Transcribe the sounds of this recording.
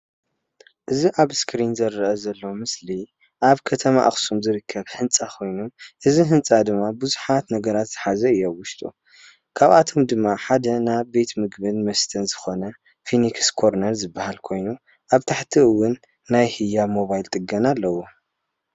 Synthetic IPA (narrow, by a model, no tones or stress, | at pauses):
ʔɨziʔaβskɾinzɐrːɐʔɐzɐlːɐwmɨsli | ʔaβkʰɐt̪ʰɐma̰ʔa̰xsumzɨɾɨkʰːɐβhɨnt͡sʼakʰo̞jnuʔɨziɦɨnt͡sʼad̪ɨmːabuzuħat̪nɐɡɐɾat̪z̥ɨħazɐɨjːowʊʃt̪ʼṵ | kʰaβat̪ʰo̞md̪ɨmːaħad̪ɐnabe̞t̪mɨɡbɨnmɐst̪ʰɐnzɨxo̞nɐ | finikskʰo̞ɾnɐɾzɨbːahalkʰo̞jnu | ʔaβt̪ʰaħt̪ʰiʔɨwːʊnː | ajhɨjamo̞βajlt̪ʼɨɡɐnalːɐwo